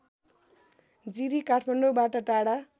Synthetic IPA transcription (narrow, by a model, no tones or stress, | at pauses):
d͡ziɾikaʈʰmaɳɖobaʈʌʈaɽa